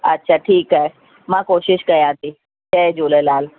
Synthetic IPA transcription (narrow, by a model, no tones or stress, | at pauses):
ɐtːʃʰaːʈʰiːkɦɛ | mãkoːʃɪʃkɐɾjaːt̪i | t͡ʃɛd͡ʒoːlelaːl